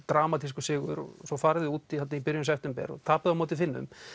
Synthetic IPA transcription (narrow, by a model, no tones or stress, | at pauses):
t̪ɾaːmat̪ʰis̬kʏsɪːɣʏ̰ɾɔ̰sɔfaːɾɪðɪuːt̪ihat̪naipɪɾjʏmsɛft̪ɛmpɛ̰ɾɔ̰t̪ʰaːpaðamɔːt̪ɪfɪnːʏ̰m